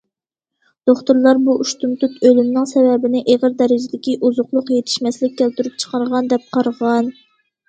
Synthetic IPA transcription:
d̪̥oχt̪uɾlˠɑɾbuʔuʃt̪umt̪ut̪ølymnɪŋsɛvɛbɪnɪʔeʁəɾd̪ɛɾɪd͡ʒɪd̪ɪkʲiʔuzʊqlˠʊqjet̪ʰɪ̥ʃmɛslɪk̚ʲʰːælt̪yɾyp̚t͡ʃʰə̥qʰɑɾʁɑnd̪ɛp̚qʰɑɾʁɑn

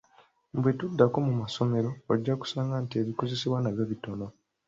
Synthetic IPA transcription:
mbwe̞tudːako̞mumaso̞me̞ɾo̞ːɟːaku̥saːŋɡantie̞βiko̞ze̞siβwanaβjoβito̞no̞

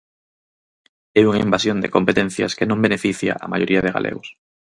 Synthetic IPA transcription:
euŋaimbasjond̪ḛkompet̪ẽn̟θja̰skenõmbenefiθja̰ʔamajoɾʔiaðeɣa̰lʔḛɣos

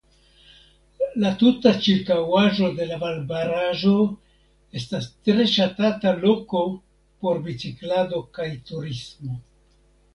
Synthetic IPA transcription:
latutat͡ʃiɾkawaʒo̞de̞lavalbaɾaʒo̞ | e̞stastɾe̞ʃatatalo̞ko̞ | po̞ɾbit͡siklado̞kajtuɾismo̞

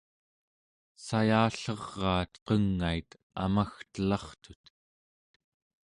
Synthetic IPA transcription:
sajaːɬʌʁːɑːt̪qʌŋːait̪ | a̰maxt̪əlɑχt̪ut̪

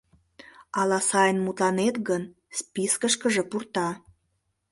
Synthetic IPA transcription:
ɑlɑsɑjənmut̪lɑnet̪ɡən | spiskəʃkəʒepurt̪ɑ

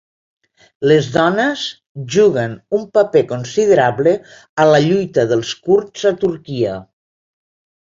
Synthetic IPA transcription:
ləzðɔnez | ʒuɣənumpapekonsið̞əɾaβlə | əlaʎujt̪əðəlˠskuɾzat̪uɾkiə

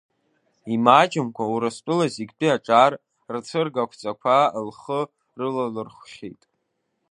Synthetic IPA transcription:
imaːt͡ʃʼɪmkʷʰauɾɨspʼɨlaziɡʲdʼiaʈ͡ʂʼar | rt͡sʰɨrɡakʷʰt͡sʼakʷʰalχə | rɨlalɨrχʷχʲetʼ

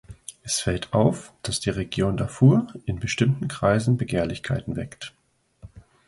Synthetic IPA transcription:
ʔɛsfɛltʰʔaʊfd̥asd̥iːʁeɡjoːndafuːɐʔɪnbəʃtɪmtn̩kʁ̥aɪzn̩bəɡeːɐlɪçkʰaɪtn̩vɛkt

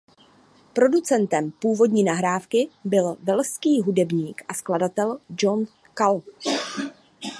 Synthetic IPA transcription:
pɾo̞dut͡sɛnt̪ɛmpuːvo̞dɲiːnaɦɾaːfkɪbɪlvɛlskiːɦudɛbɲiːkʔaskladat̪ɛld͡ʒo̞n | kal

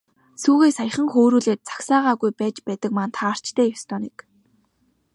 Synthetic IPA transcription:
suːɣeːsaj̆χə̆ŋxoːɾuːɮeːt̪̚t͡sḁksaːʁaːɣujpæːt͡ɕpæːt̪ə̆k̚mant̪ʰaːr̥t͡ɕt̪ʰeːjɔst̪ɔːnik

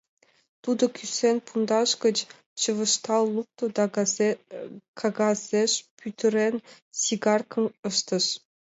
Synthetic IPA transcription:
t̪ud̪ɤ̆kʲysenʲpʰund̪ɑʂkə̆t͡ɕ | t͡ɕɤ̆ʋɤ̆ʃt̪ɑlˠːuk̚t̪ŏd̪ | kʰɑɡɑzʲeʃpʰʲyt̪ʲʰɘ̆ɾʲenʲ | sʲiɡɑrkɤ̆mɤ̆ʃt̪ɤ̆ʂ

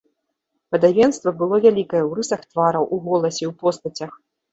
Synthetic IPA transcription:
pɐd̪avʲɛnst̪vɐbɨlˠɔvʲalʲikɐjɐwɾɨsɐxt̪vaɾɐwʔuɣɔlˠɐsʲɛwpɔst̪ɐt͡sʲɐx

